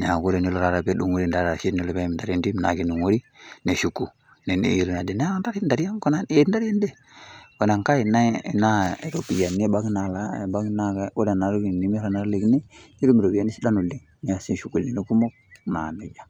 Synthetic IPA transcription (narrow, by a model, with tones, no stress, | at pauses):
ne˨a˨ku˦ɾe˦ni˦lo˨ɾa˨ɾa˨be˦du˨ŋo˦ɾi˦n˨da˨˦ɾa˨ʃi˦n˦o˦lo˨be˦m˨nda˨ɾi˦ndi˦m˨na̰˨ɡi˦nu˨ŋo˦ɾi˦ne˨ʃu˨kːu˨ | ne˨nḭ˨i˨ɾu˨na˨di˨n˦a˦nda˦ɾi˦nda˨ɾi˦ja˦ŋko˦na˦e˦n˦da˦ɾa˦nde˦ | ko˨na˨ŋka˦i˨na˦˨na˦˨ɾo˨pi˨ja˨ni˦˨ba˦ɡna˨la˦ḛ˨ba˦ɡna˦ɡa˨o˦da˨na˨ɾu˦ɡi˨ni˨˦mi˦ɾa˨na˦ɾle˨ɡni˦ni˦ɾu˦mi˨ɾo˨bi˨ja˨˦ni˦si˦da˦nu˨li˨ | ni˨a˨si˦ʃu˨kːu˨li˨ni˦ku˦mo˦k̚na̰˨ni˨d͡ʒa˨